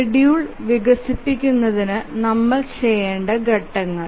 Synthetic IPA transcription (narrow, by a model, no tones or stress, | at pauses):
iɽijuɭʋiɡɐsipːikʲːunːɐðinɨnɐmːɐɭt͡ɕejːeːɳɖɐɡɐʈːɐŋːɐɭ